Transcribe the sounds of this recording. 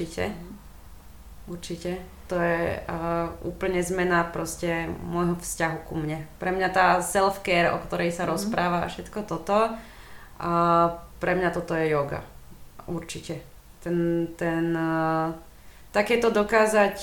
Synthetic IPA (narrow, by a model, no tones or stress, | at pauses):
icɛ̰ | uɾt͡ʃicɛ | t̪ɔjɛ | ṵːpl̩ɲɛzmɛnapɾɔscɛmɔjɦɔfscaɦukumɲɛpɾɛmɲat̪aːsɛlfkɛːɾɔ̰kt̪ɔɾɛjsaɾɔspɾaːʋafʃɛt̪kɔt̪ɔt̪ɔ | ʔapɾɛmɲat̪ɔt̪ɔjɛjɔɡa̰uɾt͡ʃicɛ | t̪ɛnt̪ɛn | t̪akɛːt̪ɔd̪ɔkaːzac